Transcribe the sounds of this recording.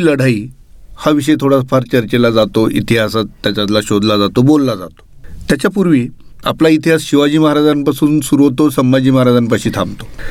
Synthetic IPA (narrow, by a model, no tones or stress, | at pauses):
ləɽ̤ai | haʋiɕ̬əjt̪ʰoɽafʰaɾt͡ɕəɾt͡ɕelad͡zat̪oʔḭt̪iɦasat̪ːjat͡ɕat̪laɕod̪ʱlad͡zat̪obolːad͡za̰t̪o̥t̪jat͡ɕjapuɾʋiː | a̰plait̪iɦasɕiʋad͡ʑiːməɦaɾad͡zanpasuːnsuɾuot̪osəmːad͡ʑiːməɦaɾad͡zanpaɕiːt̪ʰãmt̪o̥